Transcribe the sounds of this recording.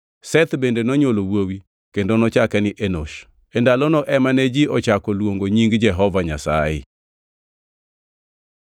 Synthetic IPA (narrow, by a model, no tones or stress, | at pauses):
sɛt̪bendenɔɲolowowi | kendonɔt͡ʃakɛnɪʔenoʃ | endalɔnɔʔɛmanɛd͡ʒiʔɔt͡ʃakɔlwoŋɡoɲiŋɡd͡ʒɛɦɔvaɲa̰sa̰jɪ̰